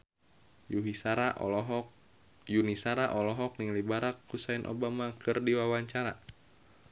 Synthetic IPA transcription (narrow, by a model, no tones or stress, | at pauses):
juɦisaɾaɦ | junisaɾaʔɔlɔɦɔk̚niŋlibaɾakːusainʔo̰bamakɨrdiwawaɲt͡ʃaɾa̰